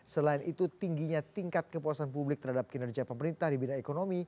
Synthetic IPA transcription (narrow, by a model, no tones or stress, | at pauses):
səlaɪnit̪ut̪iŋɡiɲat̪iŋkat̪̚kəpuasanpublɪk̚t̪ərɦadap̚kinərd͡ʒiapəməɾint̪ahdibinaekonomi